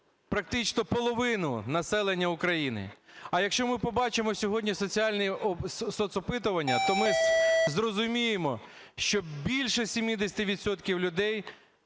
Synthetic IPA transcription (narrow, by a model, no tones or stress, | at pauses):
pɾɐk̚t̪ɪt͡ʃnɔpɔlˠɔʋɪnʊ̰nɐsɛlˠenʲːɐʊkɾɐjinɪ̰ɐjɐkʃt͡ʃɔmɪpɔbɑt͡ʃemɔsʲɔɦɔdʲnʲisɔt͡sʲiɑlʲnisɔt̪sɔpɪt̪ʊʋɐnʲːɐt̪ɔmɪzrɔzʊmʲijemɔ | ʃt͡ʃɔbʲilʲʃɛsʲimʲid̪esʲɐ̥t̪ɪʋʲid̪sɔt̪kʲiwlʲʊd̪ɛj